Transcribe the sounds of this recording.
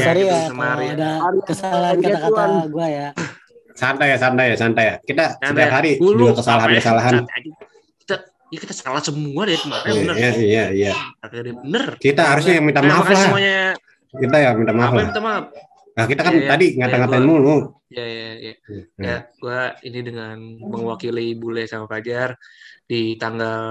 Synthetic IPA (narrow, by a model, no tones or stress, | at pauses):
aɾiaadakəsalaɦankatat̪akaaɡuaja | sant̪ajasant̪ajasant̪ajakit̪asət̪iapɦaɾiduakəsalaɦankəsalaɦan | ki̥t̪a | ijakit̪asə̥kalahsəmuad̪ajaijaijakadibənərkit̪aɦaɾusɲajaŋmint̪amaflaaɲa | kit̪̬ajamint̪amaaflaht̪ama | ahkit̪akant̪adiŋat̪aŋat̪amulu | jajajaaɡuainidəŋanməŋwakilibulɛhsamaplad͡ʒardit̪aŋɡal